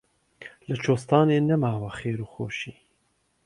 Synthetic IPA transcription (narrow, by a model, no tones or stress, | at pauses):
lɨt͡ʃʰoːst̪ɑːneːnɛmaːwaxeːɾuːxoːʃiː